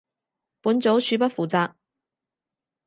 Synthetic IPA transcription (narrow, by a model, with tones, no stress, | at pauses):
puː˨˥nt͡so˨˥wsyː˨˥p̬ɐ˥t̚fuː˨˩t͡saː˧